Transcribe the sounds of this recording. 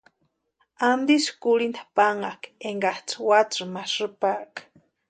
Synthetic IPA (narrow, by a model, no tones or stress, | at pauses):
and̪iskuɽind̪apaŋakeŋɡat͡swat͡sɨmaʂɨpak